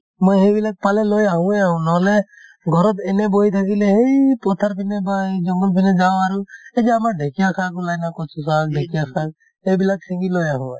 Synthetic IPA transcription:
mɔjɦebilak̚palelojaɦũeaɦũnɔle | ɡʱɔɾɔt̪eneboit̪ʰakileɦejpɔt̪ʰːaɾpʰinebad͡ʒɔŋɡulpʰined͡ʒaoaɾued͡ʒeamaɾɖʱekijakʰaɡulajnakɔsʰus̬ak̚ɖʱekijakʰak̚ | ebilak̚sĩŋɡilojaɦũ

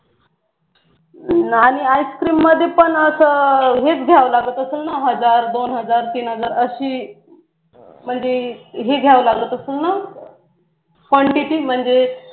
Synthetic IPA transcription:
aɽ̃iajskɾiːmːəd̪ʱːjepəɳəsəɦet͡sɡʱjaʋlaɡət̪əselnaɦəd͡zaɾd̪onɦəd͡zaɾt̪iːnɦəd͡zaɾəɕiː | m̤əɳd͡zeɦeɡʱjaʋlaɡlət̪əselna | kʋəɳʈiʈiːm̤əɳd͡ze

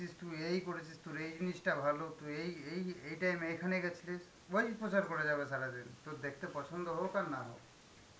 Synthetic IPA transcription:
ist̪uejkoɾit͡ʃʰist̪uɾejd͡ʒinisʈabʱalot̪uejejejʈajmejkʰaneɡɛt͡ʃʰiles | bɔspot͡ʃaɾkoɾed͡ʒabesaɾad̪int̪od̪ekʰt̪epɔt͡ʃʰɔnd̪oɦowkanːaɦo̰

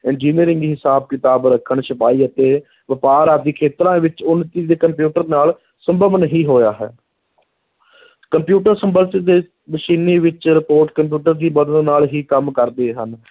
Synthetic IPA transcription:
ɪɳd͡ʒiːniːɾɪŋɡɦɪsaːb̚kɪt̪aːbɾəkʰəɳʃəpaːiːət̪eː | ʋəpaːɾad̪iːkʰeːt̪ɾãːʋɪt͡ʃʊnt̪iːd̪eːkəmpjuːʈəɾnaːl | səmbəʋənɦiːɦoːjaːɦɛ̰ː | kəmpjuːʈəɾsəmbəlsɪd̪eː | bəʃiːniːʋɪt͡ʃɾɪpoːɾʈkəmpjuːʈəɾd̪iːbəd̪ənnaːlɦiːkəmkəɾd̪eːɦən

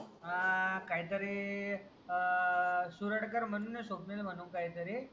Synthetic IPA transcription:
akajt̪əɾe | suɾəɽkəɾmənunesoknelmənũkajt̪əɾe

